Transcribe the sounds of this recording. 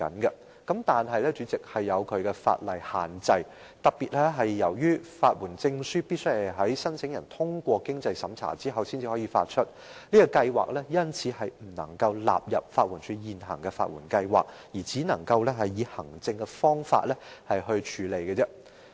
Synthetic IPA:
ɐ̰˨˥nkɐ˧ | kɐ˨˥mt̪aː˨nɦɐ˨jlɛ˥t͡ʃyː˨˧˥t͡sɪ˨k̚hɐ˨jːɐ˨˧wkʰɵ˨˧ɥkɛ˧fa̰ː˧t̚lɐ˨jhaː˨nt͡sɐ˧j | t̪ɐ˨˩k̚piː˨t̚lɛ˥ɦɐ˨jːɐ˨˩wjyː˥faː˧t̚wuː˨˩nt͡sɪ˧ŋsyː˥piː˥t̚sɵ˥ɥhɐ˨˩jɦɐ˨˥jsɐ˥nt͡sʰɪ˨˥ŋjɐ˨˩nt̪ʰʊ˥ŋkʷɔː˧kɪ˥ŋt͡sɐ˧jsɐ˨˥mt͡sʰa̰ː˨˩t͡siː˥ɦɐ˨wsiː˥nt͡si˨˩hɔː˨˥jiː˨˧fa̰ː˧t̚t͡ʃʰɵ˥t̚ | niː˥kɔ˧kɐ˧jwa̰ː˨k̚lɛ˥jɐ˥nt͡sʰiː˨˧hɐ˨jm̩˨˩nɐ̰˨˩ŋkɐ˧wla̰ː˨p̚jɐ̰˨p̚faː˧t̚wu˨˩nsʰyː˨˧˥jiː˨nɦɐ̰˨˩ŋkɛ˧fa̰ː˧t̚wṵː˨˩nkɐ˧jwa̰ː˨k̚ | jiː˨˩t͡siː˨˥nɐ˨˩ŋkɐ˧wlɛ˥ɦɐ˨jːiː˨˧hɐ˨˩ŋt͡sɪ˧ŋkɛ˧fɔː˥ŋfa̰ː˧t̚lɛ˥hɐ˨jɦɵ˧ɥt͡ʃʰyː˨˥le˨˩jkɛ˧t͡sɛ˥

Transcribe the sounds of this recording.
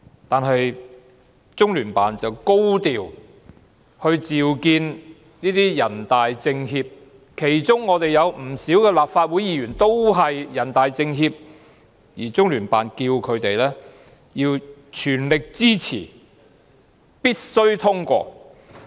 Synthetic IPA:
t̪aː˨nɦɐ˨j | t͡sʊ˥ŋlyː˨˩npaː˨nt͡sɐ˨wko˥wt̪iː˨w | hɵ˧ɥt͡siː˨wkiː˧n | niː˥t̪iː˥jɐ˨˩nt̪aː˨jt͡sɪ˧ŋɦiː˧p̚ | kʰe˨˩jt͡sʊ˥ŋːɔː˨˧t̪e˨jjɐ˨˧wm̩˨˩siː˨˥wkɛː˧laː˨p̚faː˧t̚wuː˨˥jiː˨˧jyː˨˩nt̪o˥wɦɐ˨jːɐ˨˩nt̪aː˨jt͡sɪ˧ŋɦiː˧p̚ | jiː˨˩t͡sʊ˥ŋlyː˨˩npa̰ː˨nkiː˧wkʰɵ˨˧t̪e˨jlɛː˥ | jiː˧wt͡ʃʰyː˨˩nlɪ˨k̚t͡siː˥t͡sʰḭː˨˩ | piː˥t̚sɵ˥ɥt̪ʰʊ˥ŋkʷɔ̰ː˧

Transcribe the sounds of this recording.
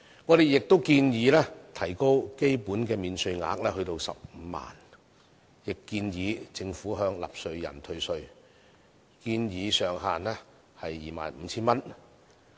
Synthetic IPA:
ŋɔː˨˧ɾe˨jɪ˨k̚t̪o˥wkiː˧njiː˨˧lɛː˥t̪ʰɐ˨˩jko˥wke˥jpuː˨˥nkɛː˧miː˨nsɵ˧ɥŋa̰ː˨˧˥k̚lɛː˥ɦɵ˧ɥt̪o˧wsɐ̰˨p̚m̩ː˨˧ma̰ː˨˩n | jɪ˨kːiː˧njiː˨˧t͡sɪ˧ŋfuː˨˥ɦœː˧ŋla̰ː˨p̚sɵ˧ɥjɐ̰˨˩nt̪ʰɵ˧ɥsɵ˧ɥ | kiː˧njiː˨˧sœː˨ŋɦaː˨nlɛː˥ | hɐ˨jːiː˨˩ma̰ː˨˩nm̩˨˧t͡sʰiː˥nmɐ˥n

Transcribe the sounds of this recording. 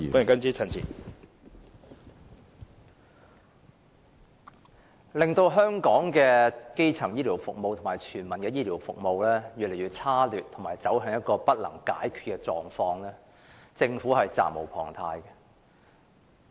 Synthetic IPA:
ɔ˦˥˨ŋkɐ˥nt͡siː˥t͡sʰɐ˧˩nt͡sʰḭː˨˩ | lɪ˨ŋt̪o˧wɦœː˥ŋkɔː˨˥ŋkɛː˧ke˥jt͡sʰɐ˨˩ŋjiː˥liː˨˩wfʊ˨k̚mo˨˧wt̪ʰo˨˩maː˨˩jt͡ʃʰyː˨˩nmɐ˨˩nkɛː˧jiː˥liː˨˩wfʊ̰˨k̚mo˨˧wlɛː˥jyː˨le˨˩jy˨t̚t͡sʰaː˥lyː˨t̪ʰŋmaː˨˩jt͡sɐ˨˥wɦœ˨˧ŋjɐ˥t̚kɔː˧pɐ˥t̚lɐ̰˨˩ŋka̰ː˨˥jkʰy̥ː˨t̚kɛ˧t͡ʃɔː˨ŋfɔː˧ŋlɛː˥ | t͡sɪ˧ŋfu˨˥hɐ˨jt͡sa̰ː˨mo˨˩wpʰɔː˨˩ŋt̪ʰaː˧jkɛ˧

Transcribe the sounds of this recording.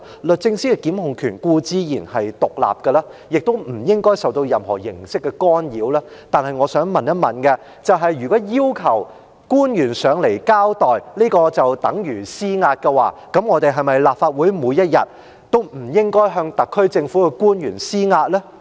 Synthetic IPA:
lɵ˨t̚t͡sɪ˧ŋsiː˥kɛ˧kiː˨˥mhʊ˨ŋkʰyː˨˩nkuː˧t͡siː˥jiː˨˩nhɐ˨jt̪ʊ˨k̚la̰ː˨p̚kɐ˧laː˥jɪ˨k̚t̪o˥wm̩˨˩jɪ˥ŋkɔː˥jsɐ˨wt̪o˧wjɐ˨˧mɦɔː˨˩jɪ˨˩ŋsɪ˥kːɛ˧kɔː˥njiː˨˥wlɛː˥t̪aː˨nɦɐ˨jŋɔː˨˧sœː˨˥ŋmɐ˨njɐ˥t̚mɐ˨nkɛ˧ | t͡sɐ˨wɦɐ˨jːyː˨˩kɔː˨˥jiː˥wkʰɐ˨˩w | kuː˥njyː˨˩nsœː˨˧ŋle˨˩jkaː˥wt̪ɔː˨jliː˥kɔː˧t͡sɐ˨wt̪ɐ˨˥ŋjyː˨˩siː˥ŋaː˧t̚kɛ˧wa̰ː˨˩kɐ˨˥mŋɔː˨˧t̪e˨jɦɐ˨jmɐ˨jlaː˨p̚faː˧t̚wu˨˥jmuː˨˧jɐ˥t̚jɐ˨t̚ | t̪o˥wm̩˨˩jɪ˥ŋkɔː˥jɦœː˧ŋt̪ɐ˨kʰːɵ˥ɥt͡sɪ˧ŋfu˨˥kɛ˧kuː˥njyː˨˩nsiː˥ŋaː˧t̚lɛː˥

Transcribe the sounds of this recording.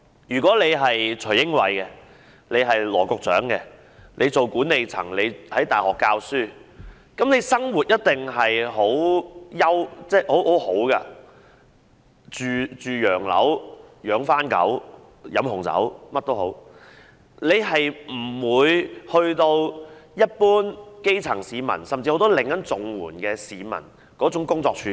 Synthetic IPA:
jyː˨˩kʷɔː˨˥le˨˧jɦɐ˨jt͡ʃʰɵ˨˩ɥjɪ˥ŋwɐ̰˨˧jkɛ˧ | le˨˧jɦɐ˨jlɔː˨˩kʊ˧k̚t͡sœ̰ː˨˥ŋkɛ˧ | nlʔe˨˧jt͡so˨wkuː˨˥ne˨jt͡sʰɐ̰˨˩ŋle˨˧jhɐ˨˥jt̪aː˨˩hɔː˨kːaː˧wsyː˥ | kɐ˨˥mne˨˧jsɐ˥ŋwuː˨˩t̚jɐ˥t̚t̪ɪ˨ŋɦɐ˨jɦo˨˥wjɐ˥wt͡sɛː˥˩ho˨˥who˨˥who˨˥wka̰ː˧ | t͡ʃyː˨t͡ʃyː˨jœː˨˩ŋlɐ̰˨˥wjœː˨˥ŋfaː˥nkɐ̰˨˥w | jɐ˨˧˥mhʊ˨˩ŋt͡sɐ̰˨˥wmɐ˥t̚t̪o˥wɦo̰˨˥w | le˨˧jɦɐ˨jm̩˨˩wuː˨˧jhɵ˧ɥt̪o˧wjɐ˥t̚puː˥nke˥jt͡sʰɐ̰˨˩ŋsiː˨˧mɐ̰˨˩nsɐ˨mt͡siː˧ho˨˥wt̪ɔ˥lɪ˨ŋkɐ˨˥nt͡sʊ˨ŋwuː˨˩nkɛː˧siː˨mɐ̰˨˩n | kɔː˨˥t͡sʊ˨˥ŋkʊ˥ŋt͡sɔː˧k̚t͡ʃʰyː˧

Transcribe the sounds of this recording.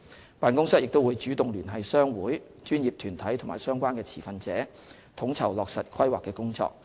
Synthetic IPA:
paː˨nkʊ˥ŋsɐ˥t̚jɪ˨k̚t̪o˥wuː˨˧jt͡ʃyː˨˥t̪ʊ˨ŋlyː˨˩nɦɐ˨jsœː˥ŋwuː˨˥j | t͡ʃyː˥njiː˨p̚t̪ʰyː˨˩nt̪ʰɐ˨˥jt̪ʰʊ˨˩ŋma̰ː˨˩jsœː˥ŋkʷaː˥nkɛː˧t͡sʰiː˨˩fɐ˧nt͡sɛː˨˥ | t̪ʰʊ˨˥ŋt͡sʰɐ˨˩wlɔː˨k̚sɐ˨t̚kʰɐ˥jwaː˨kːɛː˧kʊ˥ŋt͡sɔ̰ː˧k̚

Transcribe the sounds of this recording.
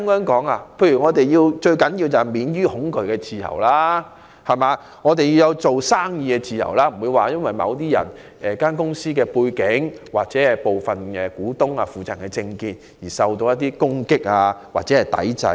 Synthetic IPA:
ŋœː˨˥ŋkɔː˨˥ŋaː˧pʰe˧jyː˨˩ŋɔː˨˧t̪e˨jji˧wt͡ʃɵ˧ɥkɐ˨˥nji˧wt͡sɐ˨˩hjmiː˨˧nɥyː˥hʊ˨˥ŋkɵ˨˧ɥkɛː˧t͡sʰiː˨˩jɐ̰˨˩wlaː˥ | hɐ˨˩jmaː˧ | ŋɔː˨˧t̪e˨ji˧wjɐ˨˧wt͡so˨wsaː˥ŋjiː˨˧kɛː˧t͡siː˨jɐ̰˨˩wlaː˦˥m̩˨˩wuː˨˧jwaː˨jɐ˥nwɐ˨jmɐ̰˨˧wt̪̬iː˥jɐ̰˨˩n | ɛ˨kaː˥nkʊ˥ŋsiː˥kɛː˧puː˧jkɪ˨˥ŋwaː˨k̚t͡sɛː˨˥ɛ˨po˨˩wfɐ˨nɛ˧kuː˨˥t̪ʊ˥ŋaː˧fuː˨˩t͡sa˨˩ŋkɛː˧t͡sɪ˧ŋkiː˨t̚jiː˨˩sɐ˨˧wt̪o˧wjɐ˥t̬̪̚ːiː˥kʊ˥ŋkɪ˥k̚aː˧wa̰ː˨t̚t͡sɛː˨˥hɐ˨˩jt̪ɐ̰˨˥jt͡sɐ̰˨˧˥

